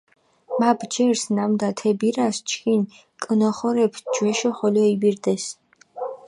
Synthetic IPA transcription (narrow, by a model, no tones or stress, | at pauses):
mabd͡ʒɛɾsnamd̪at̪ʰɛbiɾast͡ʃʰkin | kʼənɔχɔɾɛpʰd͡ʒwɛʃɔχɔlɔibiɾd̪ɛs